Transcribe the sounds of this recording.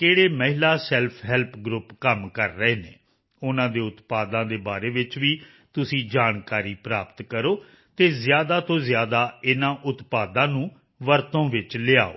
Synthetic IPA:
keːɽeːməɦɪlaːsɛlpʰɦɛlpʰɡɾʊpkəmkəɾːəeːnḛː | ʊnãːd̪eːʊt̪paːd̪ãːd̪eːbaːɾeːʋɪt͡ʃʋiː | t̪ʊsĩːd͡ʒaːnkaːɾiːpɾaːpt̪kəɾoː | t̪eːzɪjaːd̪aːt̪õːzjaːd̪aːɪnãːʔʊt̪paːd̪ãːnũː | ʋəɾt̪õːʋɪt͡ʃlɪa̰ːo̰ː

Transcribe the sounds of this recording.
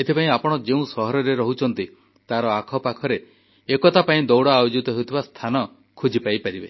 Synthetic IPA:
et̪ʰipaĩapɔɽ̃ɔd͡ʒeũsɔɦɔɾɔɾeɾɔɦut͡ʃʰɔn̪t̪i | t̪aɾɔakʰɔpakʰɔɾe | ekɔt̪apaĩd̪ɔwɽaːjod͡ʒut̪ɔɦewut̪ʰibast̪ʰanɔ | kʰud͡ʒipajpaɾibe

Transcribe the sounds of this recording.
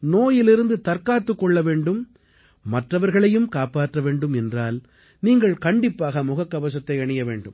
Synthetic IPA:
noːjɪlɪɾɯnd̪ɯt̪ɐɾkaːt̪ːɯkːɔɭːɐʋeːɳɖɯm | mɐʈrɐʋɐɾɣɐɭɐjɯmkaːpaːʈrɐʋeːɳɖɯmɛndraːl | niːŋɡɐɭkɐɳɖɪpːaːɣɐmʊɣɐkːɐʋɐs̬ɐt̪ːɐɪɐɳɪjɐʋḛːɳɖɯm

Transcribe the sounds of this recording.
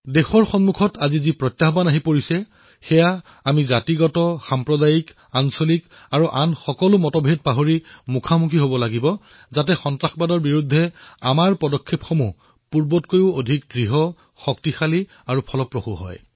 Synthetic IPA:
dexɔɹxɔnmukʰɔtazizipɹɔtjaɦɔbanaɦipoɹisɛ | xɛja | amizatiɡɔtɔxampɹɔdajik | ansolik | aɹuʔanxɔkɔlʊmɔtɔbʱed̚paɦoɹimukʰamukʰiɦobɔlaɡibɔ | zatɛxɔntɹaxbadɔɹbiɹudʱːɛa̰maɹpɔdɔkʰːepxomu | puɹbɔtkojʊodʱik̚dɹiɦɔ | xɔktixali | aɹupʰɔlɔpɹoxuɦɔ̰j

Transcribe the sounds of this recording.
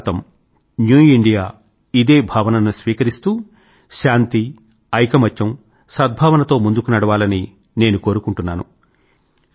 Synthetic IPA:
t̪ɐm | njuːiɳɖijaː | id̪e̞ːbʱaːʋɐnɐnusʋiːkɐɾist̪uː | ʃaːnt̪i | ɐjkɐmɐt͡ʃːɐm | sɐd̪̚bʱaːʋɐnɐt̪o̞ːmund̪ukunɐɽɐʋaːlɐni | ne̞ːnuko̞ːɾukuɳʈunːaːnu

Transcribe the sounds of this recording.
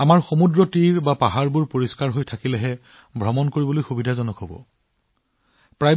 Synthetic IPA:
amaɹxomudɹɔtiɹbapaɦaɹbuɹpoɹiskaɹɦojtʰakilɛɦɛ | bʱɹɔmɔnkoɹibɔlojxubidʱazɔnɔkɦɔbɔ̰ | pɹaj

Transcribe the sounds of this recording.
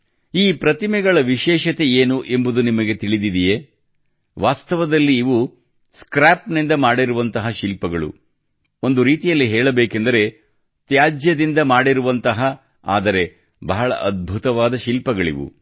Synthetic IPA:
iːpɾɐt̪imɛɡɐɭɐʋiʃɛːʃɐt̪e̞eːnuʔe̞mbud̪unimɐɡe̞t̪iɭid̪id̪ije | ʋaːst̪ɐʋɐd̪ɐlːiːʋu | skɾaːpnind̪ɐmaːɽiɾuʋɐnt̪ɐɦɐʃilpɐɡɐɭṵ | o̞nd̪uɾiːt̪ijɐlːiɦɛːɭɐbeːkend̪ɐɾe̞ | t̪jaːd͡ʒjɐd̪ind̪ɐmaːɽiɾuʋɐnt̪ɐɦɐ | a̰ːd̪ɐɾe̞ | bɐɦɐɭɐ̰ʔɐd̪̚bʱut̪ɐʋaːd̪ɐʃilpɐɡɐɭḭʋṵ

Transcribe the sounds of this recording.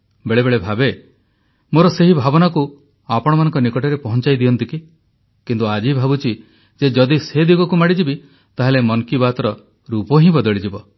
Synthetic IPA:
beɭebeɭebʱabe | moɾɔseɦibʱabɔnaku | apɔɽ̃ɔmanɔ̃ŋkɔnikɔʈɔɾepɔɦɔnt͡ʃajd̪iɔnt̪iki | kint̪uad͡ʒibʱabut͡ʃʰi | d͡ʒed͡ʒɔd̪ised̪iɡɔkumaɽid͡ʒibi | t̪aɦelemɔŋkibat̪ɔɾɔ | ɾupɔɦĩbɔd̪ɔɭid͡ʒibɔ

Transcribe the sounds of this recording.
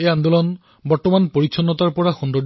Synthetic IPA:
ejand̪ulɔn | bɔɹtɔmanpoɹitːʰɔnːɔtaɹpɔɹaxɔnd̪ɔɹ

